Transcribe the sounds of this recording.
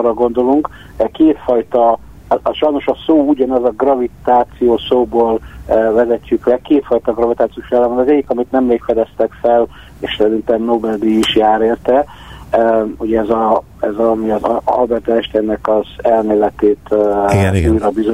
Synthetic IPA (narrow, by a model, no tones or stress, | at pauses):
rɒɡo̞nd̪o̞luŋk | keːt̪fɒjt̪ɒ | ʃɒjno̞ʃɒsoːuɟɒnɒzɒɡrɒvit̪aːt̪sijoːsoːboːlːvɛzɛcːyklɛkeːt̪fɒjt̪ɒɡrɒvit̪aːt̪sijoːʃiaːlːɛmbɒnɛzɛɟːikɒmit̪nɛmleːkfɛd̪ɛst̪ɛkfɛl | eːʃsɛɾint̪ɛmnobɛld̪iːʃjaːɾeːrt̪ɛ | uɟɛɛzɒ | ɛzɒmiɒzɒ̰lbɛrt̪ɛɛʃt̪ɛnːɛkɒzɛlmeːlɛt̪eːt̪ | ujɾɒbizo